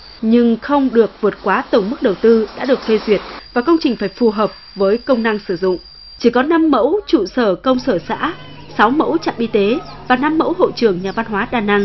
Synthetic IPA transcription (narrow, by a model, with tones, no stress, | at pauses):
ɲɨ˧ŋxə˧wŋ͡mɗɨ˨˩ək̚vɨ˨˩ət̚kwaː˨˦t̪ə˧˩wŋ͡mmɨ˦˥k̚ɗə˨˩wt̪ɨ˧ɗa̰ː˧˥ɗɨ˨˩ək̚fe˧zwi˨˩ət̚vaː˨˩kə˧wŋ͡mt͡ɕï˨˩ŋ̟faː˧˩jfu˨˩ɦəː˨˩p̚vəː˨˦jkə˧wŋ͡mna˧ŋsɨ˧˩zʊ̰˧˨ŋ͡m | t͡ɕi˧˩kɔ˨˦na˧mːə̰˧˥wt͡ɕṵ˧˨səː˧˩kə˧wŋ͡msəː˧˩sa̰ː˧˥ | sa˨˦wmə̰˧˥wt͡ɕa̰˧˨mʔi˧t̪e˨˦vaː˨˩na˧mːə̰˧˥wɦo̰˧˨t͡ɕɨ˧˩əŋɲaː˨˩va˧nɦwaː˨˦ɗaː˨˩na˧ŋ